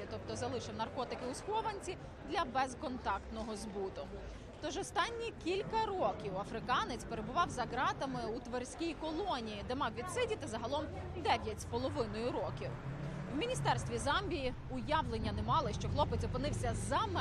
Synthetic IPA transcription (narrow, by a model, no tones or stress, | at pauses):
t̪ɔp̚t̪ɔzɐlˠɪʃɪwnɐrkɔt̪ɪkɪʊsxɔʋɐnʲt͡sʲi | d̪lʲɐbɛzkɔnt̪ɑkt̪nɔɦɔzbut̪ɔɦʊ | t̪ɔʒɔst̪ɑnʲːikʲilʲkɐɾɔkʲiwɐfɾɪkɑnɪt͡sʲpeɾebʊʋɑwzɐɦɾɑt̪ɐmɪut̪ʋersʲkʲijikɔlˠɔnʲijid̪emɑwʋʲid̪sɪdʲit̪ɐzɐɦɐlˠɔm | d̪ɛʋʲjɐtʲspɔlˠɔʋɪnɔjʊɾɔkʲiw | wmʲinʲist̪ɛrst̪ʋʲizɑmʲbʲiji | ʊjɑʋlˠenʲːɐnemɑlˠɪʃt͡ʃɔxlˠɔpet͡sʲɔpɪnɪwsʲɐzɐm